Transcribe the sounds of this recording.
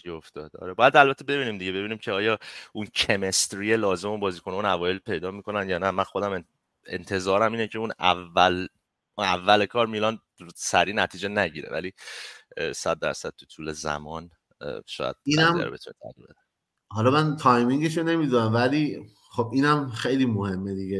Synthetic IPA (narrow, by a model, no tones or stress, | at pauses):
ioft̪ɒːd̪ɒ̰ːɾebɒːjæd̪ælbæt̪ʰːe̞be̞biːniːmd̪iɟebe̞biːniːmcʰeɒːjɒːuncʰe̞me̞st̪ɾije̞lɒːzemumbɒːziːkʰo̞neunævɒːje̞lpʰe̞jd̪ɒːmiːkʰo̞nænjɒːnæmænxo̞d̪æm | ḛnt̪ʰe̞zɒːɾæmiːnecʰeunævæl | unævːælekʰɒːɾmilɒn | sæɾiːnæt̪ʰiːd͡ʒe̞næɟiːɾḛvæ̰li | sæd̪̚ːæ̰ɾsæd̪̥̚t̪ʰut̪ʰuːle̞zæ̰mɒːn̰ | ʃɒ̰ːjæ̰d̪̚inæmæ̰ɾbe̞t̪ʰunet̪ʰæ̰dḭlbed̪e | hɒlɒmænt̪ʰɒjmiŋɡeʃone̞mid̪unæmvæliː | χob̚iːnæmxejlimohe̞mːed̪ie